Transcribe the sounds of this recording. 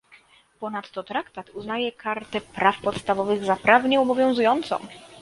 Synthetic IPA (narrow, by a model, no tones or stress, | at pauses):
pɔnat̪ːɔt̪ɾakt̪at̪uznajɛkaɾt̪ɛpɾafpɔt̪st̪avɔvɘɣzapɾavɲɛɔbɔvʲjɔ̃w̃zujɔnt̪sɔ̰̃w̃